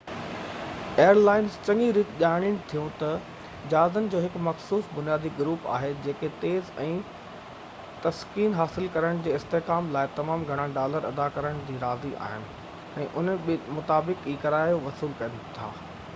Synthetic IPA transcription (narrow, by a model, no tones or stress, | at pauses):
eːjəɾlaːɪnzt͡ɕɐ̃ŋɡiɾit̪ʄaːɪɽ̃ɪɽ̃t̪ʰijũt̪ɐ | d͡ʑaːzənɪ̆d͡ʑoːɦɪkmɐxsuːsbʊnijaːd̪iɡʊɾuːpa̰ːɦed͡ʑeːket̪eːzɛ̃ː | t̪ɐskiːnɦaːsɪlkɐɾəɽ̃d͡ʑeːɪst̪eɦkaːmlaːɪt̪ɐmaːmɡʱɐɽ̃ãɖaːləɾɐd̪akɐɾəɽ̃d͡ʑiːɾaːziʔa̰ːɦɪnɪ̆ | ɛ̃ːʔʊnmʊt̪aːbɪkiːkɐɾaːjoʋɐsiːlkɐnt̪ʰa̰ː